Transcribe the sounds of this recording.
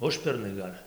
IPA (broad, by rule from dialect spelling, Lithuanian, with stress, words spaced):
ˈʊʃʲpʲɛrnɐɪ ˈɡɐlʲ